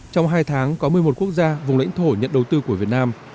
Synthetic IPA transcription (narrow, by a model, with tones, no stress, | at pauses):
t͡ɕɔ˧wŋ͡mɦaː˧jt̪ʰaː˨˦ŋkɔ˨˦mɨ˨˩əjmo˨˩t̚ku˦˥ək̚zaː˧vʊ˨˩ŋ͡mla̰˧˥jŋt̪ʰo˧˩ɲə̰˧˨nɗə˨˩wt̪ɨ˧ku˧˩əvət̚naː˧m